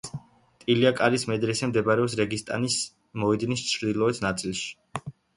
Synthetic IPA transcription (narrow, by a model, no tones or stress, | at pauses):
t̪ʼiliakʼalismɛd̪ɾɛsɛmd̪ɛbaɾɛɔpsɾɛɡist̪ʼa̰nis | mɔɛd̪nist͡ʃʰɾd̪ilˠɔɛt̪ʰnat̪sʼilˠʃi̥